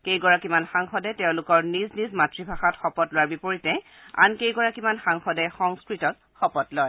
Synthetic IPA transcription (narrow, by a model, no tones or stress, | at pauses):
kejɡɔɹakimanxaŋxɔdɛteʊ̃lʊkɔɹniznizmatɹibʱaxatxɔpɔtloaɹbipoɹitɛ | a̰nkejɡɔɹakimanxaŋxɔdɛxɔŋskɹitɔt̚ | xɔpɔtlɔj